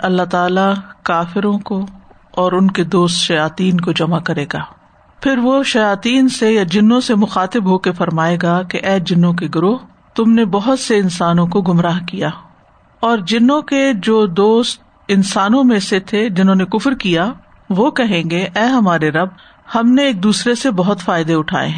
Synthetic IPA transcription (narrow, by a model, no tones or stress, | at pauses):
ɐlːaɦt̪aːlakaːfɪɾõko | ɔːɾʊnked̪oːst̪ʃɐjaːt̪iːnkod͡ʒɐmakɐɾeːɡaː | pʰɪɾʋoʃɐjaːt̪iːnsejad͡ʒɪnːõsemʊxaːt̪ɪbɦoːkefɐɾmaːeɡakeʔɛːd͡ʒɪnːõkeɡʊɾʊɦ | t̪ʊmnebɐɦʊt̪seɪnsaːnõkoɡʊmɾaːɦkijaː | ɔːɾd͡ʒɪnõked͡ʒoːd̪oːst̪ | ɪnsaːnõmẽset̪ʰed͡ʒɪnɦõːnekʊfɾkija | ʋokɛɦẽːɡeʔɛːɦɐmaːɾeɾɐb̚ | hɐmneeːk̚d̪uːsɾesebɐɦʊt̪faːɪd̪eʊʈʰa̰ːḛɦɛ̃ː